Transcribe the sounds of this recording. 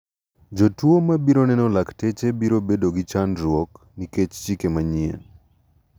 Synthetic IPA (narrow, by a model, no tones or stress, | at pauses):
d͡ʒotwomabiɾonɛnolaktet͡ʃebiɾobedoɡit͡ʃandɾwɔk | niket͡ʃt͡ʃikemaɲiḛn